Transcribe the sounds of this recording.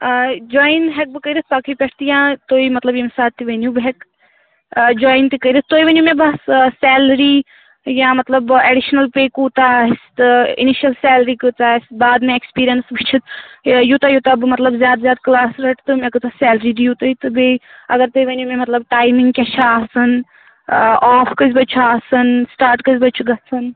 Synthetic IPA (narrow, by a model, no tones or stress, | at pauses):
d͡ʒɔːinɦɛk̚bikəid̪it̪ʰbaːkʰipɛʈʰt̪ijãːt̪oːimɐt̪lɐbjimsaːʈt̪iʋenjũbɦɛk | d͡ʒɔːjnt̪ikəiɾit̪̚ʰt̪oːiʋɐnumẽbɐssɛːlɾiː | jãːmɐt̪lɐbeɖiʃnɐlpeːkuːt̪aɦist̪ḭniʃɐlsɛːlɾiːkɨt͡saːsbaːd̪mẽekspiːɾijɐnsʋit͡ʃʰit̪jut̪ɐjut̪ɐbmɐt̪lɐbzjaːd̪zʲjaːd̪klaːsɾɐʈt̪ɨmẽkɨt̪ɐsɛːlɾid̪ijut̪ɐit̪ɨbeɐ̰ɡɐɾt̪ojʋɐnʲumẽmɐt̪lɐbʈaːjmiŋɡkʲɐt͡ʃʰaːsɨn | aːfʰkəzʲbɐt͡ʃʰuaːsɐnsʈaːɾʈkəzʲbɐt͡ʃʰuɡɐsʰɐn